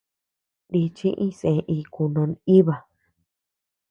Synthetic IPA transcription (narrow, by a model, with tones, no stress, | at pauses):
ɾi˧t͡ʃĩ˦ʔĩ˦sẽ˧ʔi˧ku˧nõ˧ni˦βa˨